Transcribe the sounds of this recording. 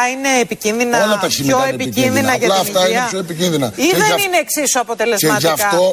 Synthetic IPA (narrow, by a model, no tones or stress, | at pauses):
ɐineːpicinðinɐolɐt̪ɐsimoepicinðinɐʝɐlɐfit̪ɐinneɐçoepicinðinɐiðenineːksisuɐpo̞t̪e̞le̞zemɐtʝɐktɐo̞